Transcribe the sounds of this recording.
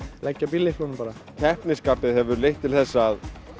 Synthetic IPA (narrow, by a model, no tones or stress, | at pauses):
lʔɛcːapilːɪfunmpaːɾacʰɛhpnɪskaːpɪðhɛvʏɾlejht̪ʰːɪlθɛsːað